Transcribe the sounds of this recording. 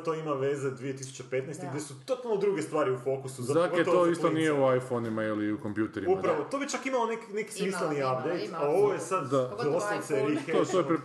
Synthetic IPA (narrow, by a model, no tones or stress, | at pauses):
t̪o̞imaʋe̞zed̪ʋije̞t̪isu̥t͡ɕe̞pe̞t̪nɛjst̪ɡɡdʲjesut̪o̞t̪alˠno̞d̪ɾuːɡe̞st̪ʋaːɾiufo̞kusuzad̪aket̪ooist̪onijeuajfonimailiukompjuːt̪eɾiumpɾaʋot̪o̞bit͡ʃakimalo̞nekineki̥smisleniap̚d̪e̞jt̪ao̞ʋojesad̪d̪ad̪ost̪aseɾixeosopɾe